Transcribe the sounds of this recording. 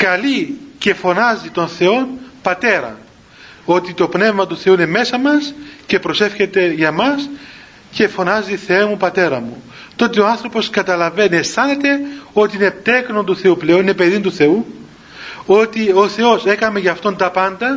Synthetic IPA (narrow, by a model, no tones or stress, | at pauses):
kɐlice̞fo̞nɐzit̪o̞nθe̞o̞npɐt̪e̞ɾɐ̰ | o̞t̪it̪o̞pne̞vmɐt̪uθe̞uine̞me̞sɐmɐsce̞pɾo̞se̞fçe̞t̪e̞ʝɐmɐs | ce̞fo̞nɐziθe̞emupɐt̪e̞ɾɐmu | t̪o̞t̪eo̞ɐnθɾo̞po̞skɐt̪ɐlɐve̞niesθɐne̞t̪eo̞t̪iine̞t̪e̞kno̞nt̪uθe̞uple̞o̞ninepe̞ðint̪uθe̞u | o̞t̪io̞θe̞o̞se̞kɐme̞ʝɐft̪o̞nt̪ɐpɐnd̪ɐ